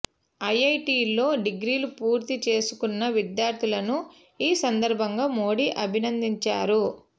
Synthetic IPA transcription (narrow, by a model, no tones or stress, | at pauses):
ɐjɐjʈiːlo̞ːɖiɡɾiːlupuːɾt̪it͡ʃe̞ːsu̥kunːɐʋid̪jaːɾd̪ʱulɐnu | iːsɐnd̪ɐɾbʱɐŋɡaːmo̞ːɽiʔɐbʱinɐnd̪iɲt͡ʃaːɾu